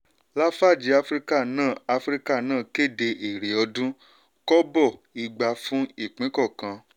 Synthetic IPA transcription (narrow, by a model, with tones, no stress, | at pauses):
la˦fa˦˨d͡ʒi˧˦a˧fɾi˦ka˦˨nãː˦˨a˧fɾi˦ka˦˨nãː˦˨ke˦˨de˧ʔe˨ɾe˨ɔ˧dũ˦ | kɔ˦bɔ˦˨i˨ɡ͡ba˧fũ˦i˦˨k͡pĩ˨˦kɔ˦˨kã˧